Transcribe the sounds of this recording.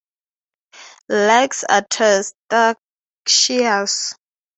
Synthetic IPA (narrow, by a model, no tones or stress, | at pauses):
lɛksa̰tʰəsta | ʃias